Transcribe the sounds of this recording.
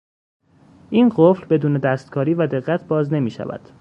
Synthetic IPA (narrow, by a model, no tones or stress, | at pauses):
ʔiːnɢoflbe̞d̪uːne̞d̪æst̪̚kʰɒːɾiːvæd̪e̞ɣːæt̪̚ʰbɒːzne̞miːʃæ̰væ̰d̪̥